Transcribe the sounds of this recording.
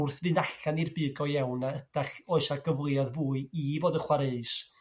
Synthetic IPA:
rθvɨnaɬanirbɨːɡɔjawnaəd̥aχɔɨsaɡəvlˠjaðvuːɨivoːdəχwaɾeɨs

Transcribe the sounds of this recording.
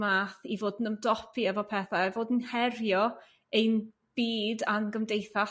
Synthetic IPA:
maːθivoːdn̩əmdɔpʰiɛvɔpʰɛθaɛvoːdnhɛrjɔ | ejn | b̥iːdanɡəmdejθa

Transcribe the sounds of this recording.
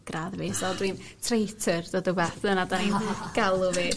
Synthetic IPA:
ɡ̥raðviːsɔdwin | tʰrejtʰərdɔdɔbɛθənadaninɡ̥alˠʊviː

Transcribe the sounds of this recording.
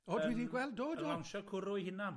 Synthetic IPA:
ɔwidiɡwɛlˠd̚doːdɔanʃɔkʰʊɾʊjhɪnan

